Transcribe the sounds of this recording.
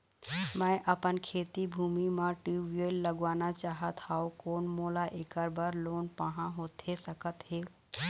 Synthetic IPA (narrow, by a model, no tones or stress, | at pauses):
mɛ̃ʔəpənkʰeːt̪ibʱuːmimãʈiːʋijeːlːəɡʋaːnat͡ʃaːɦət̪haːokoːnmoːlaʔeːkəɾbəɾloːnpaɦãɦoːt̪ʰesəkət̪ɦeː